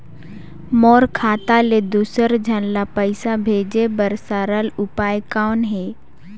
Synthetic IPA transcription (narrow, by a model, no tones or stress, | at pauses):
mɔːɾkʰaːt̪aled̪uːsəɾd͡ʒʱənlapəɪsabʱeːd͡ʒebəɾsaɾəlʊpaːjkaːnɦɛː